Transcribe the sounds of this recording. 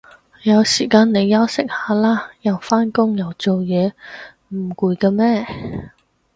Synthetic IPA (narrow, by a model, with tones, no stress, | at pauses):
jɐ˨˧wsiː˨˩kaː˧nnːe˨˧jːɐ˥wsɪ˥k̚haː˨˥laː˥jɐ˨˩wfaː˥nkʊ˥ŋjɐ˨˩wt͡so˨wjɛː˨˧ | m̩˨˩kuː˨˧jkaː˧mɛː˥